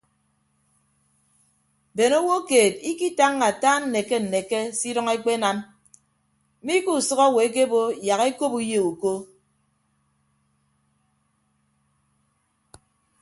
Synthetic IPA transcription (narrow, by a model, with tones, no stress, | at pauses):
be˨no˦wo˦keː˨t̚i˦ki˦ta˦ŋːa˨taː˦n̩˨ne˨ke˦n̩˨ne˨ke˦si˦dɔ˦ŋe˦k͡pe˦na˦m˦ | mi˦ku˦˨sʌ˦ɣɔ˦˨we˨e˦k̬e˦bo˦ja˨ɣe˦ko˦pu˦je˨u˨ko˦